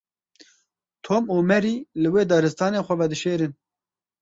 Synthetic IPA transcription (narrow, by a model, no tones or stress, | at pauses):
t̪ʰoːmoːmɛɾiːlɨweːd̪ɑɾɨst̪ɑːneːxʷɛvɛd̪ɨʃeːɾɨn